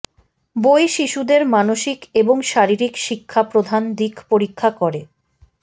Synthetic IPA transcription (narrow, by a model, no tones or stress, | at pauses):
bojʃiʃud̪eɾmanoʃikeboŋʃaɾiɾikʃikʰːapɾod̪ʱand̪ikpoɾikʰːakoɾe